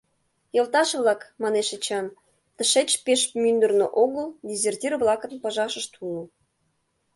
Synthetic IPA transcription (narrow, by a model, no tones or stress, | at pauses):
jɤ̆lˠt̪ɑʃβlˠɑkmɑneʃet͡ɕɑn | t̪ə̆ʃet͡ɕpeʃmynd̪ə̆rno̰ʔoɣəldʲizʲertʲirβlˠɑkə̆npəʒɑʃəʃt̪ulu